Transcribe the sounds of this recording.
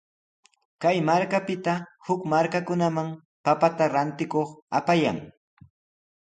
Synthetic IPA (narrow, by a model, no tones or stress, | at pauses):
kajmaɾkapɪt̪ahʊkmaɾkakʊnamaŋ | papat̪aɾant̪ɪkoχa̰paja̰ŋ